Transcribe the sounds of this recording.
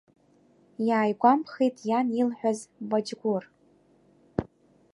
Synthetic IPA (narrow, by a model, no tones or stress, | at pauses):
jaːjɡʷampʰχijtʰʼjanilħʷᶣazvad͡ʒɡʷʊr